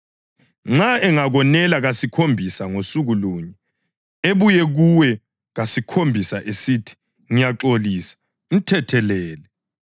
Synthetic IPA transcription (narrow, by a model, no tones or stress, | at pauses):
ŋ͡ǁaɛŋaɣɔnɛlaɣasikʰombʱisaŋosuɣuluːɲɛ | eβujɛɣuwɛ | ɣasikʰombʱisaʔesitʰi̥ | ŋijaǁoliːsḁ | m̩tʰɛtʰɛlɛːlɛ